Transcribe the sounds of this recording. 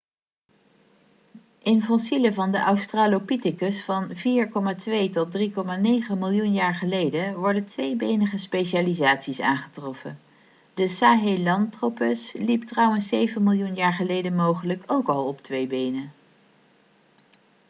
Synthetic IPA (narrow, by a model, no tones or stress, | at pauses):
ʔɪnfɔnsiləvɑndəʔawstraːlowpitɪkəsfɑnviːɹkɔmaːtʋejtɔt̚drikɔmaːnejχəmɪlˠjunjaːɹχəlejdənʋɔɹdəntʋejbejnəχəspejʃaːlizaːtsisa̰ːnχətrɔfə̰n | d̥əsaːɦelɑntropəsliptrʌwənsejvənmɪlˠjunjaːɹχəlejdənmowχələkʰowkɑlˠɔptʋejbejnə